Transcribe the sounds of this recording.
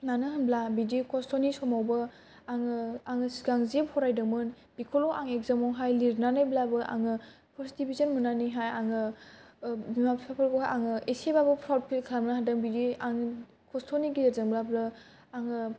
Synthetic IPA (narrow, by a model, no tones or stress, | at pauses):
nanɯɦɯnblabidikʰɔstʰɔnisɔmawbɯ | aŋɯaŋɯsiɡaŋzephɔɾajdɯmɯn | bikʰɔlɔʔaŋeɡzamɔŋɦajliɾnanɯjblabɯʔa̰ŋɯ | pʰɔɾstibizɔnmunaniɦajaŋɯ | bimappʰapʰalɡɔɦaʔaŋɯʔesebabɯpʰɾawt̚pʰilkʰlamnaɦadɯŋbidiaŋ | kʰɔstʰɔniɡizeɾzaŋblablɯ | aŋɯ